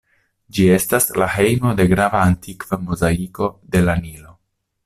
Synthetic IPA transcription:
d͡ʒie̞staslahe̞jmo̞de̞ɡɾavaːntikv̥amozaiko̞de̞lanilo̞

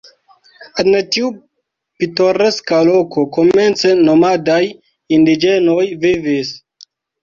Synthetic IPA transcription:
entiu | pito̞ɾe̞skalo̞ko̞kome̞nt͡seno̞madaj | indid͡ʒe̞nojvivis

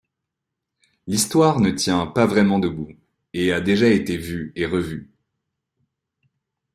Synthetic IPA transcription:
list̪waʁnət̪jɛ̃pavʁɛmɑ̃d̪əbu | ead̪eʒaet̪evyeʁəvy

